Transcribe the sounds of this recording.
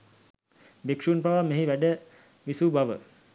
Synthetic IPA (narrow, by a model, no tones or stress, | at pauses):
bikʂuːnpaʋameɦiʋæɖə | ʋisubaʋə̰